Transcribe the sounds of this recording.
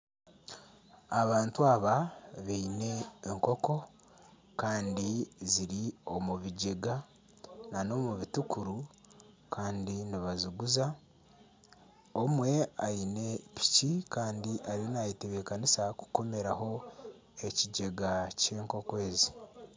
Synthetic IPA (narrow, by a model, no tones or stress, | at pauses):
aβaːntuaβaβeine̞ːŋko̞ko̞ | kaːndiziɾio̞muβiɟe̞ɡa | nano̞ːmuβitukʰuɾu | kʰaːndiniβaziɡuza | omwe̞a̰ine̞pi̥cikaːndiʔaɾinajiteβekanisaku̥ko̞meɾaɦo̞ | e̞ciɟe̞ɡace̞ːŋko̞kwe̞ːzi